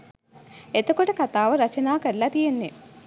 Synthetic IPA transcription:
et̪ukoʈɐkɐt̪aːʋɐɾɐt͡ɕɐnaːkeɭlːat̪ijenːi

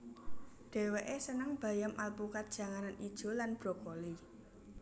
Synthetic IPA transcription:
ɖ̥e̤weʔesənəŋb̥a̤jamʔalpukat̪̚d̥ʒ̥a̤ŋananid̥ʒ̥o̤lanb̥ɾo̤koli

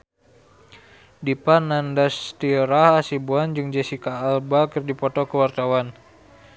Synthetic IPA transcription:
dipanandast̪iɾahasibuand͡ʒɨŋd͡ʒesikaːlbakɨrdipɔt̪ɔkəwart̪awan

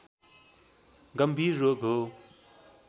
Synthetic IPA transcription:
ɡɐmbʱiːɾːoːɡɦo

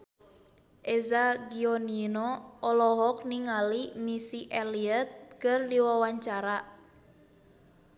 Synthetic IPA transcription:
ʔezaɡiɔninɔʔɔlɔɦɔk̚niŋalimisiʔeliɛt̪̚kɨrdiwawaɲt͡ʃaɾa

